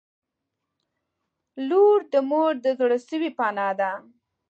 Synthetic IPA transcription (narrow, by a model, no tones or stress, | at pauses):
luɾd̪əmoɾd̪əzɽəʃəwipɑnɑd̪a